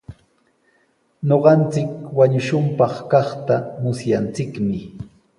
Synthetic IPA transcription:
ɲoɢɑnt͡sɪkwaɲʊʃʊmpɑχkɑχt̪amʊsjant͡sɪkmɪ

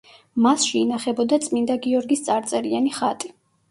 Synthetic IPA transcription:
masʃɛinaχɛbɔd̪at̪sʼmind̪aɡiɔɾɡist̪sʼaɾt̪sʼɛɾianiχat̪ʼi

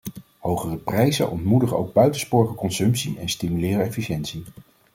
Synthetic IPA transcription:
howχərəprɛjzə̰nʔɔ̰ntmudəχəo̰wɡ̚bœɥtənspʊːɹχəkɔnsɵmpsiʔɛnstimylɪːrəɛfiʃɛntsi

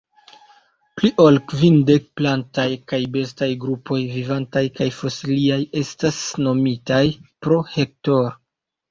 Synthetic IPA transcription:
pliʔo̞lkvinde̞k̚plantajkajbe̞stajɡɾupʰo̞jvivantajkajfo̞siliaje̞stasno̞mitajpɾo̞he̞k̚to̞ɾ

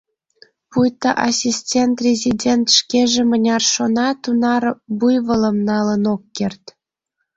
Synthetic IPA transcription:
pujt̪ɑʔɑsʲisʲtʲent̪rʲezʲidʲent̪ʃkeʒĕmə̆nʲɑrʃonɑt̪unɑrbujβɤ̆lə̆mnɑlə̆nokːert̪ʲ

